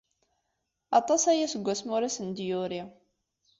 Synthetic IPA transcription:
ɑt̪ˤɑsæjæsəɡʷːæsmʊɾisənd̪jʊɾi

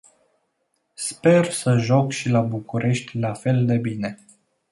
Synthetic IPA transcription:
spe̞rsəʒokʃilabukuɾʔe̞ʃt̪ʲlafe̞ld̪e̞bine̞

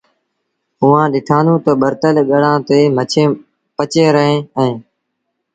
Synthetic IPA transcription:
ʊʋãːɗɪʈʰaːnũːt̪əɓəɾt̪əlɠəɽãːt̪eːmət͡ʃʰe | pət͡ʃeːɾəɦẽːɛ̃ː

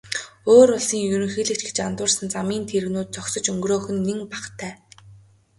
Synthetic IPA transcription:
oːɾʊɮsiːŋjɵɾɵ̆ŋxiːɮɘ̆kt͡ɕɡe̥t͡ɕant̪ʊːrsə̆nt͡samiːnt̪ʰeɾɘ̆ɣnuːt̪̚t͡sɔksɞ̆t͡ɕɵŋɡroːxɵ̆nːeŋpaχt̪ʰæː

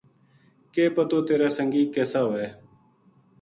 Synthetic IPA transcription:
keːpət̪oːt̪eːɾaːsəŋɡiːkeːsaːɦoeː

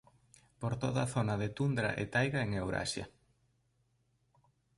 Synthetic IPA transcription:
poɾt̪oðɐaθonaðet̪und̪ɾa̰ʔḛt̪ajɣaeŋewɾa̰ʃjɐ̰

